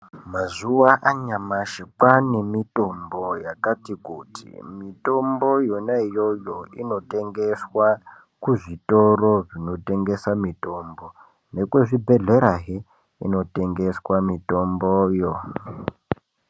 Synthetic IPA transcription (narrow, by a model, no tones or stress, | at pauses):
mazuwaʔaɲamaʃekwanemitombojakatikutʰḭmitombojonaijojoino̞tʼeŋɡeswa | kuʐitoroʐino̞te̞ŋɡesamitombo | nekweʐibʱeɮeɾaɦe | ino̞tʼeŋɡeswamitombojo